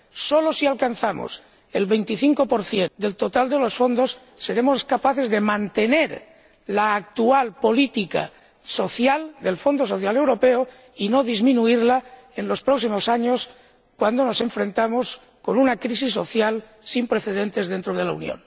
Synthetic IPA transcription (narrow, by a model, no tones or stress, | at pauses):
solosialkanθamo̰s | e̞lβe̞jnt̪iθiŋko̞po̞ɾθje̞nd̪e̞lt̪o̞t̪ald̪e̞lo̞sfo̞nd̪o̞sː | e̞ɾe̞moskapaθe̞zðe̞mãnt̪e̞ne̞ɾ | laːk̚t̪ualpo̞lit̪ika̰ | so̞θjald̪e̞lfo̞nd̪os̬o̞θjale̞wɾo̞pe̞o | ino̞ðizmĩnuiɾla | e̞nlo̞spɾoksimo̞saɲo̞s | kwand̪o̞no̞sẽ̞ɱfɾe̞nt̪amos | ko̞nunakɾis̬isːo̞̰θjal | simpɾe̞θe̞ðe̞nt̪e̞zðe̞nt̪ɾoð̞e̞laṵnjõ̰n